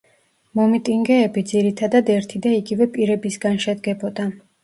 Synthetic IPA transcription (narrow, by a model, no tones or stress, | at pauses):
mɔmit̪ʼiŋɡɛːbid̪ziɾit̪ʰad̪ad̪ɛɾt̪ʰid̪aiɡivɛpʼiɾɛbisɡanʃɛd̪ɡɛbɔd̪a